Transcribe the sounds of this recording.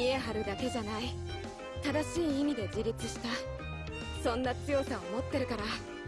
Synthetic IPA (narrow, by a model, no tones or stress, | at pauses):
ie̞ɦaɾɯ̟d̪ake̞ʑanai | t̪ad̪aɕiːimʲid̪e̞d͡ʑiɾʲit͡sɨɕi̥t̪a | sõ̞nːat͡sɨjo̞ːt̪aomo̞t̪ːe̞ɾɯ̟kaɾa